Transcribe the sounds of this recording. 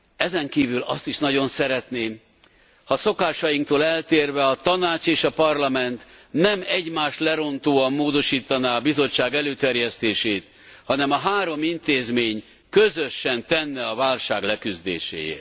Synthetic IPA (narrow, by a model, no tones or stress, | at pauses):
ɛzɛŋkiːvylɒ̰st̪iʃnɒɟo̞nsɛɾɛt̪neːm | hɒso̞kaːʃɒjiŋk̚t̪oːlɛlt̪eːrvɛɒt̪ɒnaːt͡ʃeːʃɒpɒrlɒmɛnt̪nɛmɛɟmaːʃt̪lɛɾo̞nt̪oːɒmːoːd̪o̞ʃiːt̪ɒnaːɒbizo̞t͡ʃːaːɡɛløːt̪ɛrjɛst̪eːʃeːt̪ | hɒnɛmɒɦaːɾo̞mint̪eːzmeːɲ | køzø̞ʃːɛnt̪ɛnːɛɒvaːlʃaːɡlɛkyzd̪ḛːʃḛːjḛːr